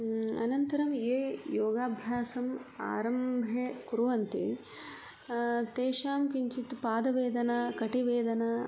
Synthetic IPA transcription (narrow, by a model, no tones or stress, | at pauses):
ɐ̰nɐnt̪ɐɾɐmeːjoːɡaːbʱjaːsɐma̰ːɾɐmbʱekuɾuʋɐnt̪i | t̪eːʃaːmkiɲt͡ʃit̪paːd̪ɐʋeːd̪ɐnakɐʈiʋeːd̪ɐna